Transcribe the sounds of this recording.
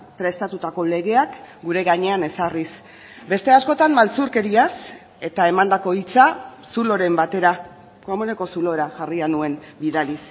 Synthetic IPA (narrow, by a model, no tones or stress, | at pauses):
pɾe̞st̪at̪ut̪ako̞le̞ɣ̞e̞akɡuɾe̞ɣaɲe̞ane̞saris | be̞st̪e̞asko̞t̪ammalt͡suɾke̞ɾias | e̞t̪aemand̪ako̞it͡sasulo̞ɾe̞mbat̪e̞ɾa | komone̞ko̞sulo̞ɾaʝarianue̞nbiðalis